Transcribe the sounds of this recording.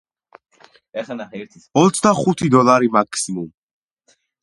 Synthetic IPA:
ɛnaɛɾt̪ʰɔt̪sʰd̪aχut̪ʰid̪ɔlˠaɾimakʰsimum

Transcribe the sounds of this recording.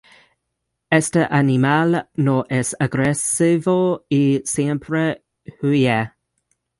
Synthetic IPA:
ɛstəʔanimalnoʔɛsaɡɾɛsɪvoisɛmpʰɾə | hujɛ

